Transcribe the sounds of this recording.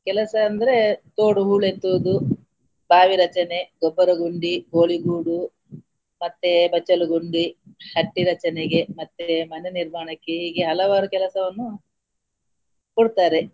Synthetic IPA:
kɛlɐsɐːnd̪ɐɾe̞t̪oːɽuɦuːɭent̪uʋud̪u | baːʋiɾɐt͡ʃɐne̞ɡɔbːɐɾɐɡuɳɖiɡoːliɡuːɽu | mɐt̪ːebɐt͡ʃːɐluɡuɳɖihɐʈːiɾɐt͡ʃɐnɛɡemɐt̪ːemɐneniɾmaːɳɐkːeɦiːɡeɦɐlɐʋaːɾukɛlɐsɐʋɐnːu | koɽut̪aːɾe

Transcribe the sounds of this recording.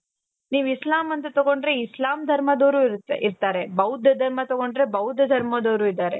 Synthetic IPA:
niːʋislaːmɐnt̪ɐt̪oɡoɳɖɾe̞islaːmd̪ʱɐɾmɐd̪oːɾuɾiɾt̪aːɾe̞bɐwd̪ʱɐd̪ʱɐɾmɐt̪ɔɡo̞ɳɖɾe̞bɐwd̪ʱjɐd̪ʱɐɾmɐd̪oːɾuːid̪aːɾe̞

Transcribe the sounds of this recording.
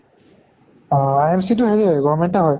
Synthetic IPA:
ajemsit̬ʊheɹiɡɔvmɛntɛɦɔj

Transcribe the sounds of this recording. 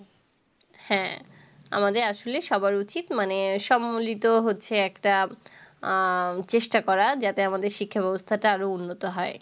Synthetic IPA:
hɛ̃ | a̰mad̪eɾaʃoleʃɔbaɾut͡ɕit̪maneʃɔmːolit̪oɦotːɕʰeɛkʈa | t͡ɕeʃʈakɔɾad͡ʑat̪eamad̪eɾʃikʰːabɛbost̪ʰaʈaaɾounːot̪oɦɔe

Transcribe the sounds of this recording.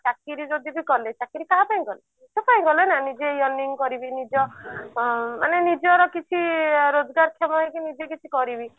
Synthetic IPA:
t͡ʃakiɾid͡ʒod̪ʱibikɔlet͡ʃakiɾikapaĩɡɔle | t͡ʃɔpaĩɡɔlenanid͡ʒejɔniŋkɔɾibinid͡ʒɔ | manenid͡ʒɔɾɔkit͡ʃʰiɾod͡ʒɔɡaɾkʰɔmɔekinid͡ʒekit͡ʃʰikɔɾibi

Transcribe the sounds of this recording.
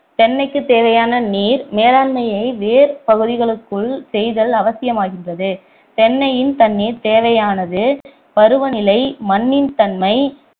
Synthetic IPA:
t̪ɛɳːɐɪkːɯt̪ːeːʋɐjaːnɐniːɾmeːɾaːnmɐjɐɪʋeːɾpɐɣɯðɪɣɐɭɯkːɯɭsɛjðɐlɐʋɐsɪjɐmaːɣɪndrɐðɯ | t̪ɛɳːɐjɪnt̪ɐnːiːɾt̪eːʋɐjaːnɐðɯ | pɐɾɯʋɐnɪlɐɪmɐnːɪnt̪ɐnmɐɪ

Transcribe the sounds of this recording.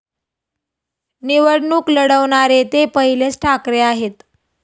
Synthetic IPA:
niʋəɽɳuːkləɽəʋɳaɾet̪epəɦilet͡sʈʰakɾeaɦet̪

